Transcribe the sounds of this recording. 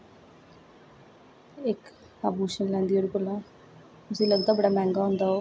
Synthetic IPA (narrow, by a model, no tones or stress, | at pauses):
ɪk | aːbuːʃənlɛ̃ːnd̪iːoɽiːkəlãː | t̪ʊsĩːləɡd̪aːbəɽaːmɛ̃ːŋɡaːɦʊ̃ːnd̪aːoː